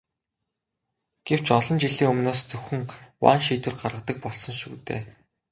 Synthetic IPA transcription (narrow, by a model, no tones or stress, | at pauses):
ɡ̥ew̥t͡ɕɔɮɞ̆nt͡ɕiɮiːŋɵmnoːst͡sɵxɵ̆ŋwa̰ːnʃiːt̪wɘ̆rɢarʁə̆t̪ə̆k̚pɔɮsɞ̆ŋʃṵːt̪ḛː